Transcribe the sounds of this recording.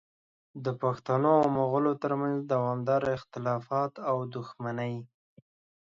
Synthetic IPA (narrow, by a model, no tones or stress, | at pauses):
d̪əpaxt̪anomoɣəlot̪əɾmanzd̪awɑmd̪ɑɾɪxt̪ɪlɑfɑt̪awd̪ʊxmanəj